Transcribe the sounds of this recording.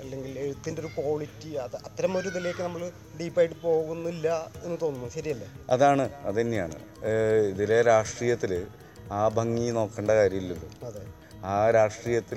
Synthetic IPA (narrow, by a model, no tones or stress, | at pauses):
ɐlːe̞ŋɡile̞ɻut̪ːindeo̞ɾukoːɭitːiɐðɨɐt̪ːɐɾɐmo̞ɾud̪ilekːɨnɐmːɐɭ | ɖiːpːaːjiʈːɨpo̞ːɣunːuilːɐe̞nːɨt̪o̞ːnːunːuɕɐɾijɐlːeɐ̰ðaːɳɨɐ̰ðenːeja̰ːɳɨ̰ | iðileɾaːʂʈriːjɐt̪ːilɨ | aːbʱɐŋːino̞ːkːeːɳɖɐkaːɾjɐmilːulːɨɐðe | aːɾaːʂʈriːjɐt̪ːil